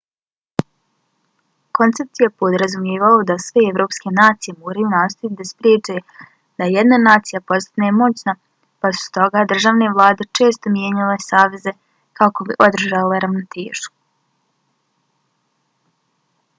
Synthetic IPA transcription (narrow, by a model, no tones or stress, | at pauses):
ko̞nt̪se̞p̚t̪ijepod̪ɾazumjeːʋaod̪asʋeevɾo̞ːpske̞naːt̪sije̞moːɾajunaːst̪ojit̪d̪aspɾjeːt͡ʃae | d̪̥aejed̪nanaːt̪sijapo̞st̪anemo̞t͡ɕna | pasu̥t̪o̞ɡaːd̪r̩ʒaːʋneʋlˠaːd̪et͡ʃe̞ːst̪o̞mjeɲalesaːʋe̞ze̞ | kako̞biʔo̞d̪ɾr̩ʒaleɾaʋnot̪ʰeːʒ̥u̥